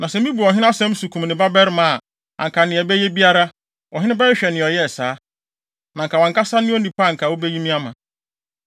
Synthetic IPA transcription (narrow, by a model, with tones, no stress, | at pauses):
nã˨sɛ˨mĩ˦bu˨ɔ˨ɦɪ˦n˦a˦sɛ̃˦m˦su˨kʰũ˨mnɪ̃˨ba˦bɛ˦ɾmã˨a˨ | ã̰˨ŋ̩˨kʰa˨nɪ̃˨ɛ˨bɛ˦jɛ˦bi˦a˦ɾa˦ | ɔ˨ɦɪ̃˦nɪ̃˦bɛ˦ɾɕᶣɛ˨nɪ̃˨ɔ˨jɛ˦˨saː˨˦ | nã˨ŋ̩˨ka˨wɔ̃˨ŋ̩˨ka˦sa˦nɪ̃˦o˦nĩ˨pa˦˨ŋ̩˨kʰa˨wo˦bɛ˦ji˦mĩ˦a˦mã̰˨